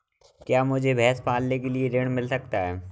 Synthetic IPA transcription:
kjaːmʊd͡ʑʱebʱɛːspaːlnekelieɾeːɽmɪlsɐk̚t̪aɦɛː

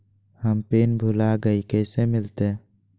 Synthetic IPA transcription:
həmpeːnbʱulaɡəikɛːsemɪlt̪eː

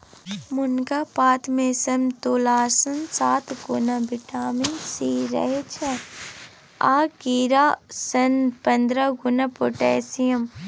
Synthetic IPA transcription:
mʊnɡaːpaːt̪mẽsɐmt̪oːlaːsənsaːt̪ɡʊnabɪʈaːminsiːɾɐ̰ɦet͡ʃʰɛ | a̰ːkiːɾaːsɐnpɐnd̪ɾaɡʊnapoʈɛːsijəm

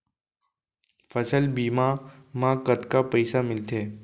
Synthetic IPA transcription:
fəsəlbiːmamãːkət̪kapəɪsamɪlt̪ʰeː

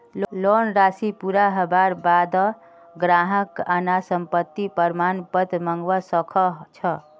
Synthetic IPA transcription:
llonɾasipuɾaɦəbaɾbad̪ɔ | ɡɾaɦəkanasəmpət̪ːipəɾmanpət̪məŋɡwasəkʰɔt͡ʃʰʌ

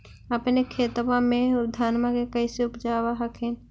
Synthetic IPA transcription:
əpnekʰeːt̪ʋãmẽd̪ʱaːnmakekəɪseʊpd͡ʒaːwaɦəkʰen

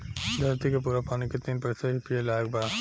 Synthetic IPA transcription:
d̪ʱɐɾt̪ikep̬uɾapaːniket̪iːnpɐsɐɦipielak̚ba

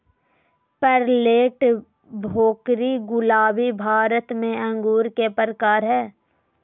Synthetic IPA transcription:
pəɾleːʈ | bʱoːkɾiɡʊlaːbibʱaːɾət̪mẽɐ̃ŋɡuːɾkepəɾəkaːɾɦɛː

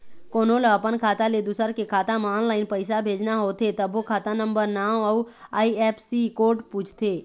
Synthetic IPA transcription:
koːnõləəpənkʰaːt̪aled̪ʊsəɾkekʰaːt̪amaːnlaːɪnpəɪsabʱeːd͡ʒnaɦoːt̪ʰet̪əbokʰaːt̪anə̃mbəɾnaːwə | aːiɛːpʰsikoːɾʈpuːt͡ʃʰt̪ʰeː

